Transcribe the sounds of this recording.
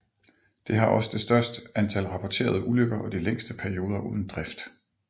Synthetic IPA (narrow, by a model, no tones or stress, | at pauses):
d̥e̝ɦɑ̈ʔɒ̽səd̥e̝sd̥ɶɐsd̥əænt͡sʰælʁɑ̈pʰɒt͡sʰe̝̰ːɐð̞ˠəʔuløɡ̥ɐʔɒ̽d̥ileŋ̰sd̥əpʰæɐio̝ːðˠɐʔuð̰ˠn̩d̥ʁɛfd̥